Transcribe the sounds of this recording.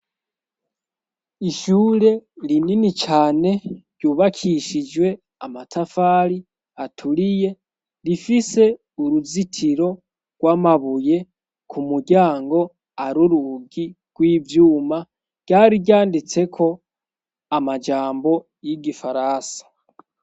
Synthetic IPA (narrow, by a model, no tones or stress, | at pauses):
iʃuːɾe̞ɾininit͡ʃaːne̞ɾɟuːβakʰiʃid͡ʒwe̞ | amatʰafaːɾi | atʰuɾije̞ | ɾifise̞ | uɾuzitʰiɾo̞ | ɡ̥waːmaβuje̞ | kʰumuɟaːŋɡo̞ | aɾuɾuɡi | ɡ̥wiːvjuːma | ɡ̥aːɾiɟjaːndit͡se̞kʰo̞ | amad͡ʒaːmbo̞ | jiɡifaɾasḁ